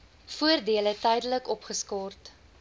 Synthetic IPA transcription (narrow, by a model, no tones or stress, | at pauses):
fuərdiələtɛjdələkɔpχəskɔrt